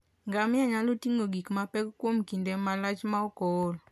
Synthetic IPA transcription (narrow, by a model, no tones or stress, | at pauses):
ŋɡamɪaɲalotiŋoɡikmapɛkkːwomkindɛmalat͡ʃmaɔkɔl